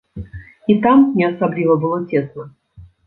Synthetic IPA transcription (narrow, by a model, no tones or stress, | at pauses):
it̪amnʲɪɐsablʲivəbɨlˠotʲesnə